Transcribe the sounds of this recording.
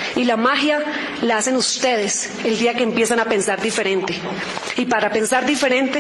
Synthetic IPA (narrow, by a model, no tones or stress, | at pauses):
ilamaxja | laase̞nust̪e̞ðe̞s | e̞ld̪iakeːmpje̞s̬anape̞nsaɾd̪ife̞ɾe̞nt̪e̞ | ipaɾape̞nsaɾd̪ife̞ɾẽ̞nt̪e